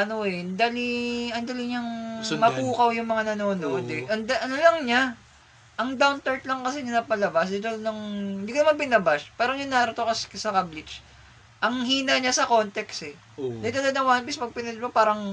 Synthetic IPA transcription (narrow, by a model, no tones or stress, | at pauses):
ʔɐno̞ʔɛnd̪aːliɐnd̪aːliɲɐŋmɐkuːkɐwjʊŋmɐŋanɐnoːnoʔd̪ɛʔɐnd̪aʔɐnolɐŋɲa | ʔɐŋd̪awnt̪ɐɹt̪̚lɐŋkɐs̬ɛnɐnɐpɐlɐbasd̪it̪olnɐŋɪnd̪iːkonɐmɐnbɪnɐbaʃpaːɾɐŋɲʊŋnaːɾɐt̪okɐsksɐkablɪd͡ʒ | ʔɐŋɦiːnɐɲasɐko̞nt̪ɛksɛ | d̪it̪ɐlod̪nɐwanpismɐɡ̚pɪnɛmopaːɾɐŋ